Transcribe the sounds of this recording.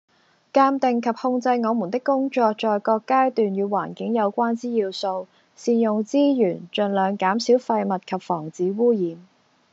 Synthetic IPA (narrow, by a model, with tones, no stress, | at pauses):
kaː˧˥mt̪ɪ˨ŋkʰɐ˨p̚hʊ˧ŋt͡sɐ˧jŋɔː˨˧mu˨˩nt̪ɪ˥kːʊ˥ŋt͡ʃɔː˧k̚t͡ʃɔː˨jkɔː˧kːaː˥jt̪yː˨njyː˨˧wa̰ː˨˩nkɪ˨˥ŋjɐ˨˧wkʷaː˥nt͡siː˥jiː˧wso˧w | siː˨njʊ˨ŋt͡siː˥jyː˨˩nt͡ʃɵ˨nlœː˨˧ŋkaː˨˥msiː˨˥wfɐ˧jmɐ˨t̚kʰɐ˨p̚fɔː˨˩ŋt͡siː˨˥wuː˥jiː˨˧m